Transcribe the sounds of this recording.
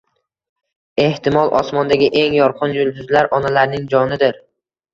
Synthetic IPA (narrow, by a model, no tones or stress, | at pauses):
e̞ht̪ʰɪmɒlˠʔɒ̰smɒnd̪aɡʲɪʔe̞ŋjɒɾqʰɨnjʊlˠd̪ʊzlaɾʔɒnalaɾnɪŋd͡ʒɒnɪd̪ɪɾ